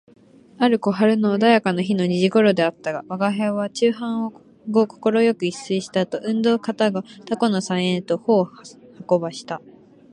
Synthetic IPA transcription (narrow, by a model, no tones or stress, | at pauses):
aɾɯ̟ko̞ɦaɾɯ̟no̞ːd̪ajakano̞çino̞ɲ̟iʑiɡo̞ɾo̞d̪e̞at̪ːaɡaβaɡaɦaβat͡ɕɨːɦãɰ̃o | ɡo̞ko̞̥ko̞ɾo̞jo̞kɯ̟isɨiɕi̥t̪at̪o̞ʔɯ̟̃nd̪o̞ːkat̪aɡat̪ako̞no̞sãɰ̃ẽnt̪o̞ho̞ːhako̞baɕi̥t̪a